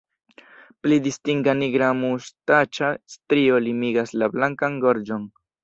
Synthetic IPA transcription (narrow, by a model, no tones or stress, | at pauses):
plidistiŋɡaniɡɾamustat͡ʃastɾio̞limiɡaslablaŋkaŋɡo̞ɾd͡ʒo̞n